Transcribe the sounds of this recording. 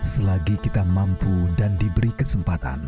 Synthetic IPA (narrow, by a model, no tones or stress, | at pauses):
səlaɡikit̪amampudandibəɾikəsəmpat̪a̰n